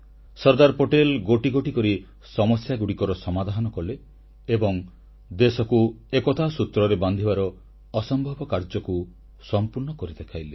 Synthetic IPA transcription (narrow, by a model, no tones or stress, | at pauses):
sɔɾd̪aɾpoʈelɡoʈiɡoʈikɔɾi | sɔmɔsjaɡuɽikɔɾɔsɔmad̪ʱanɔkɔleː | bɔŋ | d̪esɔkuekɔt̪ʰasut̪ɾɔɾeband̪ʱibaɾɔː | sɔmbʱɔbɔkaɾd͡ʒɔku | sɔmpuɾɳɔkɔɾid̪ekʰajle